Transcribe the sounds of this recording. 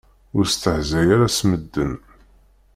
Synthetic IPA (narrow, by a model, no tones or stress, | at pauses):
ʊɾst̪əħzæjaɾasməd̪ːən